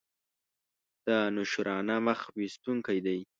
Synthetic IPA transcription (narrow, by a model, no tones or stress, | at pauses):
d̪̥anʊʃɾɑnaməxwist̪uŋkajd̪aj